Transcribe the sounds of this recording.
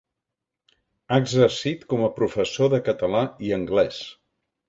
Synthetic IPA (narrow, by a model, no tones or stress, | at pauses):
aəɡzərsit̪kɔməpɾufəsoðəkət̪əlaiəŋɡlɛs